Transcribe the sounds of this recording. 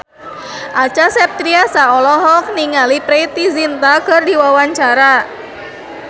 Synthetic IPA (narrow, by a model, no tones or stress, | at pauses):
ʔat͡ʃasɛp̚t̪ɾiasaɔlɔɦɔk̚niŋalipɾejt̪izint̪akɨrdiwawaɲt͡ʃaɾa